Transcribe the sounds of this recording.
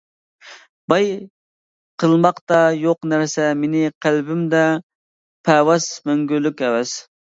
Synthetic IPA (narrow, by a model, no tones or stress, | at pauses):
bɑj | qʰəlˠmɑqt̪ɑjoqnæɾsɛmenɪqʰælbɪmd̪ɛ | pʰɛwɑsmøŋɡʲylːykʲɛwɛs